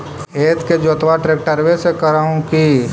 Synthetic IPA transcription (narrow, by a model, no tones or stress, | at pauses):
eːt̪ʰked͡ʒoːt̪ʋaʈɾeːk̚ʈəɾʋesekəɾaːũki